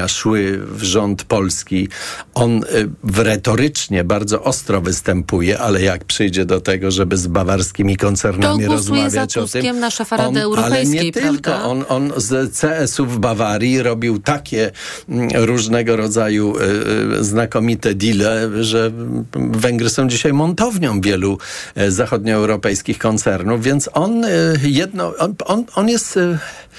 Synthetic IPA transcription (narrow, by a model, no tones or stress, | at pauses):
aʂwɘvʐɔnt̪pɔlskʲiʔɔnvɾɛt̪ɔɾɘt͡ʂɲɛbaɾd̪zɔʔɔst̪ɾɔvɘst̪ɛmpujɛʔalɛjak̚pʂɘjd͡ʑɛd̪ɔt̪ɛɡɔʐɛbɘzbavaɾskʲimʲikɔnt̪sɛɾnamʲiɾɔzmavʲjat͡ɕɔt̪ɪmafɔnalɛɲɛt̪ɪlkɔʔɔnɔnzt̪sɛɛsuvbavaɾʲjiɾɔbʲiwt̪akʲɛ | ɾuʐnɛɡɔɾɔd̪zaju | znakɔmʲit̪ɛd̪ʲilɛʐɛ | vɛŋɡɾɘsɔ̃w̃d͡ʑiɕajmɔnt̪ɔvɲɔ̃w̃vʲjɛluzaxɔd̪̚ɲɔɛwɾɔpɛjskʲixkɔnt̪sɛɾnuvvʲjɛnt̪sɔnjɛd̪̚nɔɔnɔnɔnjɛst̪